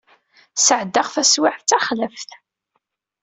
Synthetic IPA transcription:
səʕd̪ːaʁθæswɪʕθt͡sːæχləfθ

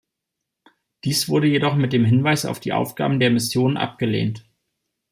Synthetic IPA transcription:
d̥iːsv̥ʊɐɾəjedɔχmɪt̚d̥eːmɦɪnvaɪsa̰ʊfd̥iːʔa̰ʊfɡ̥a̰ːbm̩deːɐmɪsjoːnənʔa̰p̚ɡ̥əlḛːnt

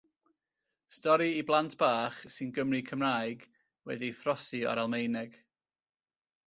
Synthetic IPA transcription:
stɔɾiiblˠantʰb̥aːχsɨnɡəmrikʰəmrajɡ | wɛ̰diθrɔsɨɔ̰ɾalˠmejnɛɡ̥

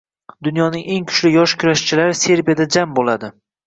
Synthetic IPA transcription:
d̪ʊn̪jɒnɪŋe̞ŋkʰʊ̥t͡ʃlɪjɒʃkʰʊɾaʃt͡ʃʰɪlaɾɪse̞ɾbijad̪ad͡ʒambolad̪ɪ

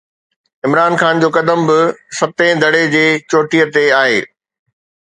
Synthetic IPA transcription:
ɪmɾaːnxaːnd͡ʑoːkɐd̪əmbɪsɐt̪ẽːd̪ʱɐɽed͡ʑeːt͡ɕoːʈijət̪eaːɦeː

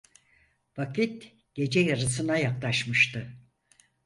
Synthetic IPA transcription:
vakʰit̪ | ɟ̥e̞d͡ʒɛjaɾɯsɯnajaklˠaʃmɯʃt̪ʰɯ

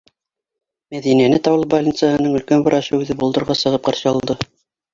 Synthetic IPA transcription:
mæðinænɘt̪ɑwɤlˠbalʲinsəɦɤ̆nɤɴɵ̆lkænbɤ̆ɾɑɕɤʉðɘbulˠd̪ɤ̆ɾʁɑsɤ̆ʁɤp̚qɑɾɕɤ̆ɑlˠd̪ɤ

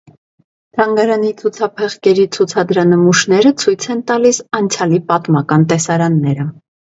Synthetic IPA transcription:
t̪ʰɑŋɡɑɾɑnit͡sʰut͡sʰɑpʰɛχkɛɾit͡sʰut͡sʰɑd̪ɾɑnəmuʃnɛɾət͡sʰujt͡sʰɛnt̪ɑlisɑnt͡sʰjɑlipɑt̪mɑkɑnt̪ɛsɑɾɑnːɛɾə

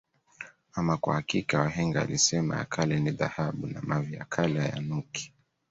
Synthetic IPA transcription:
amakwa̰hakikawaɦɛŋɡa̰ːlisɛma̰ja̰kʰalɛniðahaɓuna̰mavia̰kʰalɛaja̰nuki̥

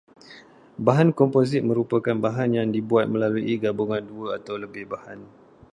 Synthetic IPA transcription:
baɦankɔmpozɪt̪̚mə̃ɾupəkanbaɦanjaŋdibuat̪̚mə̃laluʔiɡabuŋanduəat̪awləbɪhbahan

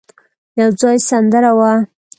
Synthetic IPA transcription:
jawd͡zɑjsand̪əɾawa

